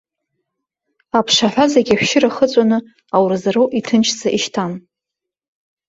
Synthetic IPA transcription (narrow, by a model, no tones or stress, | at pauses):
apʰʂaħʷᶣazaɡʲaħʷᶣʃɪɾaχət͡sʷʼanɨ | awrɨzaɾowʔitʰɨnt͡ʃʰd͡zʰaʔiʃtʰan